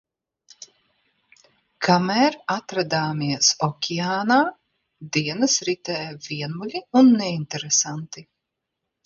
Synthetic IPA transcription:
kʰamæːɾat̪ɾad̪aːmiɛsɔkʲʰiaːnaː | d̪iɛnəsɾit̪ɛːjviɛnulʲiunːɛint̪ɛɾesant̪i

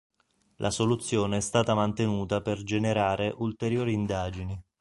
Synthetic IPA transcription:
lʔasolut̪sːjoːneɛst̪aːt̪amant̪enuːt̪aperd͡ʒeneɾaːɾeʔult̪eɾjoːɾiːnd̪aːd͡ʒini

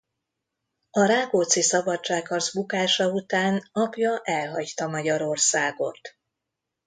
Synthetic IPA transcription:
ɒɾaːɡoːt̪sisɒbɒt͡ʃt͡ʃːaːkʰːɒrzbukaːʃɒut̪aːnɒpjɒʔɛlɦɒɟt̪ɒmɒɟɒɾo̞rsaːɡo̞̰t̪

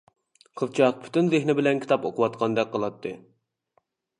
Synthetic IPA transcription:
qʰəlt͡ʃʰɑq̚pʰy̥t̪ynzehnɪbɪlɛnkʲʰi̥t̪ʰɑpoqʊwɑt̪̚qʰɑnd̪ɛk̚ʲqʰːəlˠɑt̪ʰːɨ

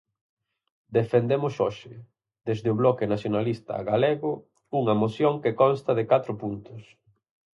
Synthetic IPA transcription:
d̪efend̪emʊsoʃɪ | d̪ezðɪoβlɔkɪnaθjonalist̪ɐ̰ɣaleɣʊ | uŋɐmoθjoŋkekɔnst̪ɐðɪkat̪ɾʊpunt̪ʊs

